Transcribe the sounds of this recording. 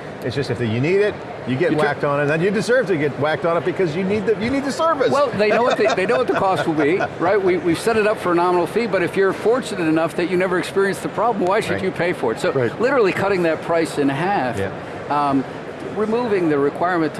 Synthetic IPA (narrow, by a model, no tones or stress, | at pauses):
ɨtsd̥ʌstɨfðɨjɨniɾɪt̚ | jɨɡɛʔ̚wk̚tn̩ðɨ̃njɨdɨzɜ˞v̥tɨɡɛt̚wæk̚tn̩ət̚b̥ɨkʰʌzjɨnid̪̚ɨjɨnid̪̚tɨsɜ˞vɨswɛlˠðeɪnoʊwʌt̪̚ðɨðeɪnoʊwʌt̪̚ðəɨkʰɔst̚wəlˠbiɹaɪt̚wiwiv̥sɛɾɨɾʌpfə˞ɨnɑmənl̩ˠfibʌɾɨfjə˞ɨ̃ɱfɔɹt͡ʃɨnɨɾɨnʌfðɨt͡ʃɨnɛvə˞ɨkspɪɹiɨ̃nsðəpʰɹ̥ɑbləm̩waɪʃɨd͡ʒɨpʰeɪfə˞ɨtsoʊlɪɾə˞l̩ˠikʰʌɾɪ̃ŋðɨt̚pʰɹ̥aɪsɨ̃nɦæf | ɹɨmuvɪ̃ŋðɨɹɨkʰw̥aɪɹmɨ̃ntʰ